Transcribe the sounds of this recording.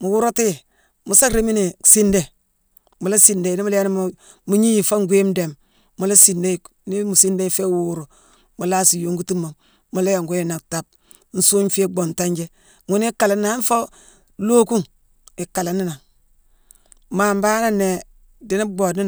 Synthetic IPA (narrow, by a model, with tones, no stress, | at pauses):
mu˨wu˦ɾo˦ti˦j | mu˨sa˦kɾe˦mi˦ni˨si˦nde˨ | mu˨la˦si˨nde˨ni˦mu˦la˦ni˦m˦ | mu˦ɲi˦ji˨fo˦ŋ˦ɡʷe˦mde˨mː | u˨la˦si˨nde˦˨ | ni˦mu˨si˦nde˦˨fe˦wuː˦ɾu˨ | mu˨la˦si˨jo˨ŋɡu˦ti˦mːa˨ | mu˨la˦ja˨ŋɡu˦je˦na˨kta˨b̚ | n̩˦su˦ɲfe˦ɡ͡bo˨nta˦ɲd͡ʒe˦ | ŋu˦ni˦ka˨la˨n˦na˨a˦n˦fo˦ | lo˦ku˦ŋ | i˨ka˨la˨nːi˦na˨ŋ | ma˨mba˦na˦ne˨ | di˨˦ni˦bo˨ni˦